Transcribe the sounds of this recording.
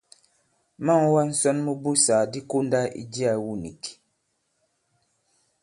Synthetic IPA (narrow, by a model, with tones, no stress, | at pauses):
ma˦˨ŋ˦wa˦n̩˦sɔ˦nmə˦bu˦saː˨di˦ko˦n˦da˦ʔḭ˦di˦a˨wu˦ni˨ki̥˨